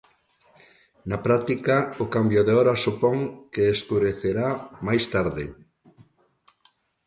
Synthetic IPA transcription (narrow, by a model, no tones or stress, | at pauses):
napɾat̪ikaokambjoðeɔɾasupɔŋkeːskuɾeθeɾamajst̪aɾðe